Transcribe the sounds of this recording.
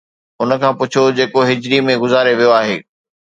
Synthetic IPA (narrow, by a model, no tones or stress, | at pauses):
ʊnə̆kʰãːpʊt͡ɕʰod͡ʑeːkoɦɪd͡ʑɾimẽɡʊzaːɾeʋijoaːɦḛː